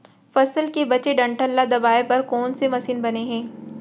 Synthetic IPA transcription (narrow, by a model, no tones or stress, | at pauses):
fɐsəlkebɐt͡ʃeɖɐ̃ɳʈəlːad̪ɐbaːepɐɾkɔːnsemɐsiːnbɐneɦɛ̃ː